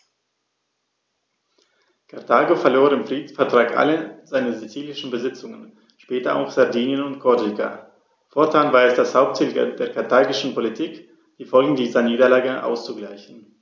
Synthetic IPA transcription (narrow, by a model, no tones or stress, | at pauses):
kʰaɐtʰaːɡofɛɐloːɐɪmfʁ̥iːdn̩sfɛɐtʁ̥aːkʔa̰ləzaɪnəzit͡siːlɪʃn̩bəzɪt͡sʊŋən | ʃpɛːtɐʔa̰ʊxz̥aɐdiːnjənʊntkʰɔɐdika̰ | fɔɐtʰaːnvaːɐɛsd̥ashaʊp̚tʰɪːlɡɛ̰p̚d̥eːɐkʰaɐtʰaːɡɪʃn̩politʰiːk | d̥iːfɔlɡŋ̩diːzɐniːdɐlaːɡəʔa̰ʊst͡suɡlaɪçn̩